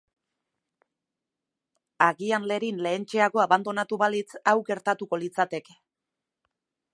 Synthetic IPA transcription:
aɣianle̞ɾinle̞ːnt͡ʃe̞aɣo̞aβand̪o̞nat̪uβalit͡sawɣe̞ɾt̪at̪uko̞lit͡sat̪e̞k

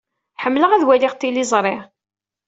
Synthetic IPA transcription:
ħəmːləʁæðwælɪʁt̪ːilizˤɾˤɪ

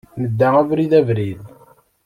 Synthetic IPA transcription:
nəd̪ːæævɾiðævɾið

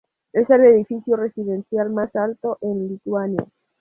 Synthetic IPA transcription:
e̞se̞le̞ðifiθjore̞siðe̞nθjalmasalt̪o̞ʔenlit̪wanja̰

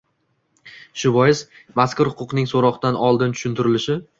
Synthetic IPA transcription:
ʃʊbɒjɪs | maskʰʊɾhʊqʰʊqnɪŋsoɾɒqt̪anɒlˠd̪ɪnt̪ʰʊ̥ʃɪnt̪ʰɪɾɪlɪʃɪ

